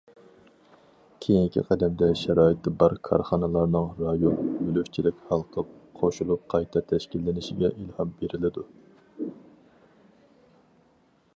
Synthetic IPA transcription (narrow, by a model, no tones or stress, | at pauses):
kʲʰejiŋkʲʰḭqʰæd̪ɛmd̪ɛʃɛɾɑːjit̪ːɛbɑɾkʰɑ̰ɾχɑnɨlˠɑɾnɨŋɾɑjonbølyft͡ʃʰilɪkʲhɑlˠqʰəp̚qʰoʃulˠup̚qʰɑjt̪ʰɑt̪ʰɛʃkʲilːɪnɪʃɪɡʲɛʔilhɑmbeɾɪlɪd̪u